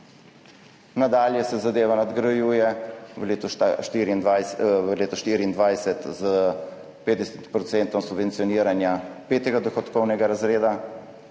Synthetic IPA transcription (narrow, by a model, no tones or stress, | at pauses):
nad̪aːljɛsɛzad̪eːʋanad̪ɡɾajuːjɛlet̪ʃt̪iːɾiːnd̪ajəleːt̪ɔʃt̪iːɾiːnd̪ʋajsɛt̪z | peːt̪d̪ɛsɛt̪pɾɔt̪sɛnt̪ɔmsubvɛntsijɔniːɾanjapeːt̪ɛɡad̪ɔxɔt̪kɔwnɛɡaɾazɾeːd̪a